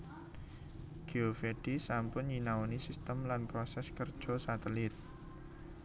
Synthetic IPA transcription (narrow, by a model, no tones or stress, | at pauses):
ɡ̥iofeɖ̥isampʊnɲinawonisist̪əmlanpɾɔsɛskərd̥ʒ̥ɔ̤sat̪əlɪt̪̚